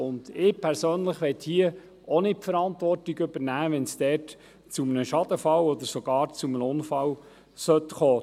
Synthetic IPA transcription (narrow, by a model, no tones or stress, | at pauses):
ʊnd̥ɪːpʰɛɾsøːnləχʋɛt̪hiə | onɪtfəɾɑntʋɔrtiɡʏb̥əɾnæːʋɛnsd̥̪ɛːt | t͡sumənəʃɑd̥̪əfɑlɔd̪əɾsɔɡ̥ɑːɾt͡sumənəʊnfɑl | sœt̪χoː